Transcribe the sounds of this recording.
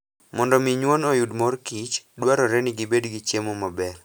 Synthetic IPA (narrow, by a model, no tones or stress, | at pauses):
mɔndɔmiɲwonojudmɔrkit͡ʃdwaɾɔɾɛnɪɡɪbedɡit͡ʃjemomabɛr